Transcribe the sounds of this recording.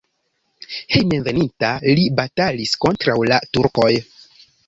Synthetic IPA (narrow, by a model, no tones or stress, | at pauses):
he̞jmenve̞nintalibatalisko̞ntɾawlatuɾko̞j